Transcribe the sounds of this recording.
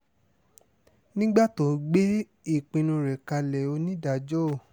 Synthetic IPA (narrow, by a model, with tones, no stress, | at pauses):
nĩ˦ɡ͡ba˦˨to˨ɡ͡be˦ | i˦˨k͡pĩ˧nũ˧ɾɛ˨ka˧lɛ˨o˧nĩ˦da˨d͡ʒɔ˦˨